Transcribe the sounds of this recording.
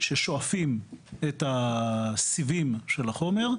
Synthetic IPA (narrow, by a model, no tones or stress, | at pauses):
ʃeʃo̞afimeta | sivimʃe̞laχo̞me̞ʁ